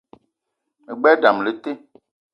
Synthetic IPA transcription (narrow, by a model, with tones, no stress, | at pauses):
e˨ɡ͡bɛ˦ɖa˨mle˨t̪e˦